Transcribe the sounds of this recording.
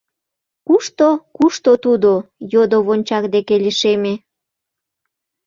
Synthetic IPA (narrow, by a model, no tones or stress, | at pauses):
kuʃt̪okuʃt̪ot̪ud̪ojod̪oβonʲt͡ɕɑkd̪ekeliʃeme